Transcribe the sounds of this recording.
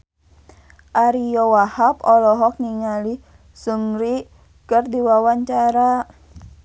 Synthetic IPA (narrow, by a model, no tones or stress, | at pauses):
ʔaɾijɔwahapɔlɔɦɔk̚niŋali | sumɾi | kərdiwawaɲt͡ʃaɾa